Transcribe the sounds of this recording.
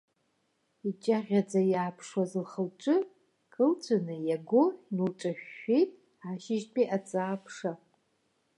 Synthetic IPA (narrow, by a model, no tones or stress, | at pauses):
it͡ʃʼaʁʲad͡zajaːpʰʂwazɨlχəlt͡ʃʷʼɨ | kʼɨlt͡ʃʷʰanɨjaɡʷʊnulʈ͡ʂʼaʃᶣːejtʼ | aʃɪʒpʼiʔat͡sʼaːpʰʂa